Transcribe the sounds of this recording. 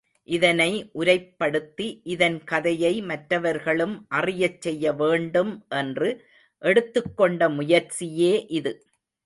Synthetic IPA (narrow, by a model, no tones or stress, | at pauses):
ʔɪðɐnɐɪʔʊɾɐɪpːɐɽɯt̪ːiʔɪðɐnkɐðɐjɐɪmɐʈɾɐʋɐɾɣɐɭɯmʔɐrɪjɐt͡ʃːɛjːɐʋeːɳɖɯmʔɛndrɯ | ʔɛɽɯt̪ːɯkːɔɳɖɐmʊjɐɾt͡ʃɪjeːʔɪðɯ